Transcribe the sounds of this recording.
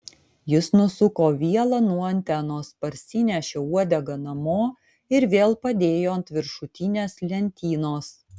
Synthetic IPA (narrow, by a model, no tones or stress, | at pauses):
jɪsnʊsʊkoːʋʲiɛlˠɐnuɔɐnʲt̪ʲænoːspɐɾʲsʲɪnʲɛʃʲeːuɔd̪ʲɛɡɐnɐmoː | ɪɾʋʲeːlˠpɐd̪ʲeːjoːnt̪ʋʲɪɾʃʊt̪ʲinʲeːslʲɛnʲt̪ʲiːnoːs